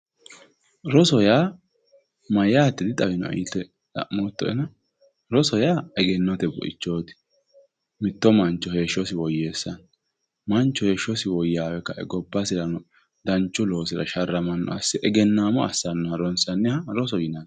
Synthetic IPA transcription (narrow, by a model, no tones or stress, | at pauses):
ɾɔsɔjaː | mɐjaːt̪ːɪd̪ɪt̪ʼɐwɪnɔ̰ḭt̪ːɛ | lɐ̰ʔmɔt̪ːɔɛ̰nɐ | ɾɔsɔjaːɛɡɛnːɔt̪ɛbɔ̰ʔɪ̰t͡ʃːo̞ːt̪ɪ̥ | mɪt̪ːɔmɐnt͡ʃːɔheːʃːɔsɪwɔjːe̞ːsːɐn | mɐnt͡ʃːɔhe̞ːʃɔsɪwɔjːaːwɛkːɐʔɛ̰ɡɔbːɐsɪɾɐnɔ | d̪ɐnt͡ʃːʊlo̞ːsɪɾɐ̰ʃɐrːɐmɐnːɔ̰ʔɐ̰sːɪʔɛɡɛnːaːmɔɐ̰sːɐnːɔhɐɾɔnsɐnːɛhɐɾɔs̬ɔjɪnan